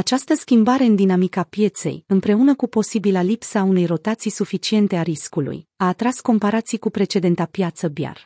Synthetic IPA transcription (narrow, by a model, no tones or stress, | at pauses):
at͡ʃast̪əskʲimbaɾe̞ɨnd̪inamikapje̞t̪se̞̰jɨmpɾe̞unəkupo̞sibilalipsəaune̞jro̞t̪at̪sijsufit͡ʃie̞nt̪e̞aɾiskulṵjaːt̪ɾasko̞mpaɾat̪sijkupɾe̞t͡ʃe̞d̪e̞nt̪apjat̪səbja̰r